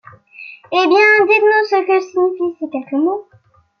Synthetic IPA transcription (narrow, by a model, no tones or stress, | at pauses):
ebjɛ̃d̪it̪nũsəkəʒsiɲifisekʲɛlkəmo